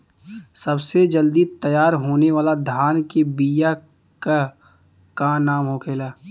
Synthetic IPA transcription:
səbsed͡ʒəld̪it̪əjaːɾɦoːneʋaːlad̪ʱaːnkebija | ka | kanaːmɦokʰeːlaː

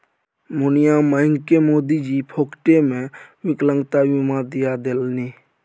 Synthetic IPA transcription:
mʊnijaməɪŋkemoːd̪id͡ʒipʰoːkʈemẽʋɪklə̃ŋɡt̪aʋimad̪ijad̪elni

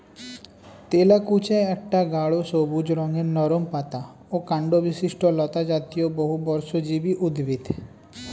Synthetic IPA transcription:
t̪eːlakuːt͡ʃeɐʈːaɡaːɭosoːbud͡ʒɾɔ̃ːŋenɔːɾompaːt̪a | okãɳɖoʋɪsɪʃʈolɔːt̪ad͡ʒaːt̪ijobɔɦubɔɾsod͡ʒiːbiʔʊd̪ʋɪt̪ʰ

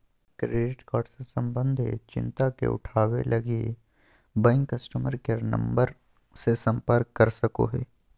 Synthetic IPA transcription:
kɾeːɖɪʈkaːʈsəɾsə̃mbə̃nd̪ʱḛt͡ʃɪ̰̃nt̪akḛʊ̰ʈʰaːwḛlʔɐɡie | bɛ̃ːŋkːɐsʈəməɾkeɾnɐ̰̃mbəɾ | sesɐ̃mpəɾkːɐɾsɐko̰ɦɛ̰ː

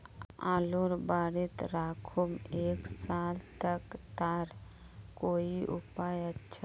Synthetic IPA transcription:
aːluɾbaːɾit̪ɾaːkʰumeːksaːlt̪əkt̪aːɾ | koːiʔʊ̰paːjətːʃʰa

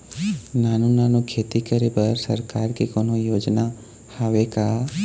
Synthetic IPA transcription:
naːnunaːnukʰeːt̪ikəɾipəɾsəɾkaːɾkikoːnojoːd͡ʒna | həʋeka

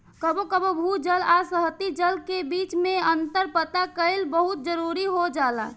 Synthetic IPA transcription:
kəbokəbobʱud͡ʒəlasəɦt̪id͡ʒəlkebiːt͡ʃmẽənt̪əɾpət̪akəɪlbəɦʊt̪̚d͡ʒəɾuɾiɦod͡ʒaːla̰

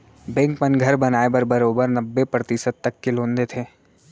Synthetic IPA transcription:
bɛ̃ːŋkmənɡʱɐɾbɐnaːebɐɾbɐɾoːbəɾnɐbːepɾɐt̪ɪsəd̪̚t̪ɐkːelõːnd̪et̪ʰeː

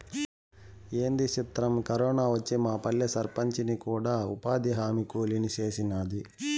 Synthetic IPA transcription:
e̞ːnd̪it͡ʃit̪ɾɐmkɐɾɔːnaːʋɐt͡ʃːimaːpɐɭːɐsɐɾpɐɲt͡ʃinikuːɽaːṵpaːd̪iɦaːmikoːlinit͡ʃe̞ːsinad̪i

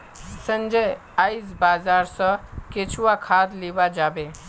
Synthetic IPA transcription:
sə̃nd͡ʒəj | ajs̬baːzaːɾsə̃ket͡ʃʰuwakʰaːd̪libad͡ʒaːbe

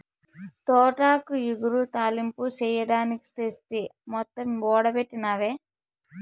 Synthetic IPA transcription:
t̪oːʈaːkujuɡuɾut̪aːlimput͡ʃɛːjɐɽaːniki̥t̪est̪emɔt̪ːɐmɔːɽɐpeʈːinaːʋeː

